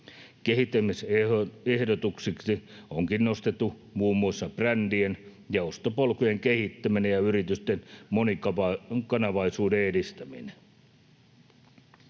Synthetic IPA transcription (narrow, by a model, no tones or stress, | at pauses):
keɦit̪ːˑæmisehdot̪uksiksi | oŋkinno̞st̪et̪ːu | muːmːuɑsːɑprændien | jɑost̪opolkujeŋkehit̪ːæminejɑyrit̪yst̪enmonikɑkɑnɑʋɑisuːdeedist̪æmine